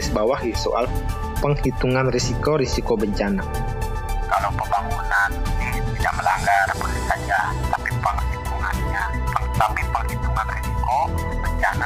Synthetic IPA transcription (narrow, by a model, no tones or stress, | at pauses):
səbawahiso̰ʔa̰l | pəŋhit̪uŋanrisikoɾisikobəɲt͡ʃana | kalowpəmbaŋunaniniht̪ida̰ʔməla̰ŋɡarpərlisad͡ʒa | t̪apipəŋhit̪uŋa̰nɲa | ət̪apipəŋhit̪uŋanrisiko | bəɲt͡ʃana